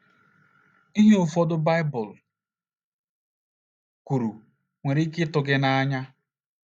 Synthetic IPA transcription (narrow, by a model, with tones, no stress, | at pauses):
i˦ɦe˦ʊ˨fɔ˦dʊ˦ba˦ɪ˦bʊ˨l | ku˨ɾu˨ | ŋʷe˨ɾi˦kɪ˦tʊ˨ɡɪ˦na˦a˦ɲa˦